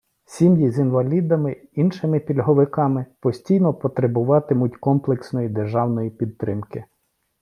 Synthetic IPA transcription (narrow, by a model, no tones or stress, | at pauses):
sʲimjizinʋɐlʲid̪ɐmɪinʃɪmɪpʲilʲɦɔʋɪkɑmɪpɔsʲtʲijnɔpɔt̪ɾebʊʋɑt̪ɪmʊt̚ʲkɔmplˠeksnɔjid̪erʒɑwnɔjipʲid̪t̪ɾɪmkɪ